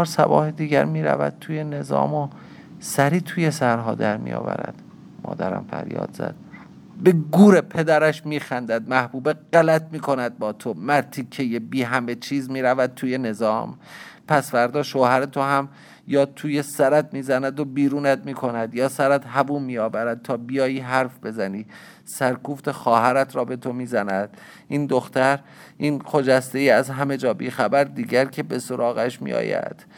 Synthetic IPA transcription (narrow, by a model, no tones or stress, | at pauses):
ɾsæ̰bɒ̰ːhed̪iːɟæ̰ɾmiːɾæ̰væ̰d̪̥̚t̪ʰuːjene̞zɒ̰ːmo | sæɾiːt̪ʰuːjesæɾɦɒːd̪æɾmḭjɒ̰ːvæ̰ɾæ̰d̪̥ | mɒ̰ːd̪æɾæ̰mfæ̰ɾjɒ̰ːd̪z̥æ̰d̪̥̚ | be̞ɡuːɾepʰe̞d̪æɾæʃmiːxænd̪æd̪mæhb̥uːbeɢælæt̪̚ʰmiːkʰo̞næd̪̚bɒːt̪ʰomæɾt̪ʰikʰejebiːɦæmet͡ʃʰiːzmiːɾævæd̪̚t̪ʰuːje̞ne̞zɒːm | pʰæsfæɾd̪ɒːʃoːhæɾet̪ʰoɦæm | jɒːt̪ʰuːje̞sæɾæd̪miːzænæd̪o̞biːɾuːnæd̪miːkʰo̞næd̪jɒːsæɾæd̪ɦæbuːmːijɒːvæɾæd̪̚t̪ʰɒːbijɒːjiːɦæɾfbe̞zæniː | sæɾkʰuːft̪ʰe̞xɒːɦæɾæt̪ʰɾɒːbe̞t̪ʰo̞miːzænæd̪̥̚ | ʔiːnd̪oxt̪æɾ | ʔiːnkʰod͡ʒæst̪e̞jiæzɦæme̞d͡ʒɒːbḭːxæbæɾd̪iːɟæɾcʰe̞be̞so̞ɾʔɒːɣæʃmḭjɒ̰ːjæ̰d̪̥